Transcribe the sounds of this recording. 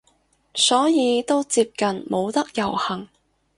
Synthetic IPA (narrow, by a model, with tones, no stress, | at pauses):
sɔː˨˥jiː˨˧t̪o˥wt͡siː˧p̚kɐ˨nmo˨˧wt̪ɐ˥k̚jɐ˨˩whɐ˨˩ŋ